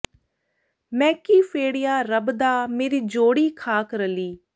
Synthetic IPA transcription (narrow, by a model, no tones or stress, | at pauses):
mɛ̃ːkiːpʰeːɽɪjaːɾəbd̪aːmeːɾiːd͡ʒoːɽiːkʰaːkɾəliː